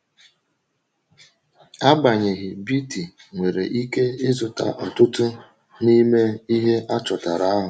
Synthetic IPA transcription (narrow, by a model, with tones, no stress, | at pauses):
a˦ɡ͡ba˨ɲɪ˨ɣɪ˨bi˦ti˨ŋʷe˨ɾe˨ʔi˦ke˦ɪ˦zʊ˨ta̰˨ʔɔ˨tʊ˦tʊ˦ | ni˦me˦i˦ɦe˦ʔa˦t͡ʃɔ˨ta˨ɾa˨˦a˦ɦʊ˨